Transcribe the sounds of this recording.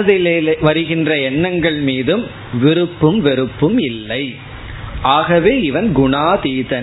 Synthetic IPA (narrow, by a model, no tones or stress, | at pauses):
ðɪlɐʋɐɾɯɣɪndrɐɛɳːɐŋɡɐɭmiːðɯm | ʋɪɾɯpːɯmʋɪɾɯpːɯmɪlːɐɪ | ʔaːɣɐʋeːɪʋɐnɡʊɳaːt̪iːðɐn